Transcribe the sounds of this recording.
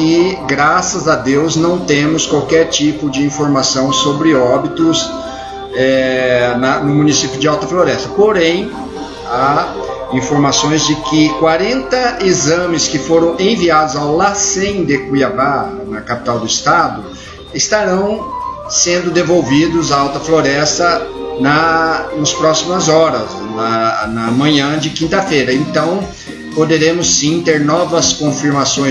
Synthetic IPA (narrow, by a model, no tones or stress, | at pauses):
ɪɡɾasɐzɐd̪ewznɐ̃w̃t̪ẽmʊskwawkɛɾt͡ʃipʊd͡ʒɪĩfoɾmasɐ̃w̃sobɾɪɔbit̪ʊz | ɛnɐnʊmũnisipiʊd͡ʒɪawt̪ɐfloɾɛst̪ɐpoɾẽj̃ | a | ĩfoɾmasõj̃zd͡ʒɪkɪkwaɾẽnt̪ɐizɐ̃mɪskɪfoɾɐ̃w̃ẽviad̪ʊzawlasẽj̃d̪ekuiabanɐkapi̥t̪awd̪ʊɪst̪ad̪ʊ | ɪst̪aɾɐ̃w̃ | sẽnd̪ʊd̪evowvid̪ʊzaawt̪ɐfloɾɛst̪ɐnɐnɐspɾɔsimɐzɔɾɐs | nɐnɐmɐ̃ɲɐ̃d͡ʒɪkĩnt̪ɐfejɾɐẽnt̪ɐ̃w̃ | pod̪eɾẽmʊsĩt̪eɾnɔvɐskõfiɾmasõj̃